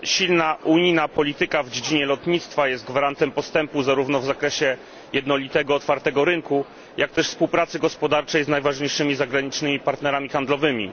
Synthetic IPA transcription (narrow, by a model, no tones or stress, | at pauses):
ɕilnaʔuɲijnapɔlʲit̪ɘkavd͡ʑed͡ʑiɲɛlɔt̪ɲit̪st̪fajɛst̪̚ɡvaɾant̪ɛmpɔst̪ɛmpuzaɾuvnɔvzakɾɛɕɛ | jɛd̪nɔlʲit̪ɛɡɔːt̪faɾt̪ɛɡɔɾɘŋku | jak̚t̪ɛʂfspuwpɾat̪sɘɡɔspɔd̪aɾt͡ʂɛjznajvaʐɲejʂɘmʲizaɡɾaɲit͡ʂnɘmʲipaɾt̪nɛɾamʲixand̪lɔvɘmʲḭ